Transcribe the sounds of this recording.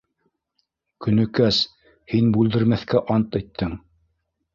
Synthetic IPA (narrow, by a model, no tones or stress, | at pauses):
kɵ̆nɵ̆kæs | hinbʉld̪ɘ̆ɾmæθkæʔɑnt̪æjt̪ːɘŋ